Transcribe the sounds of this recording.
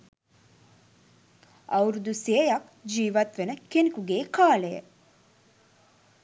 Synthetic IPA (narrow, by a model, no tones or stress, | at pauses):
ɐwɾud̪useejɐk | d͡ʒiːʋɐt̪ʋenəkenikuɡeːkaːlejə̰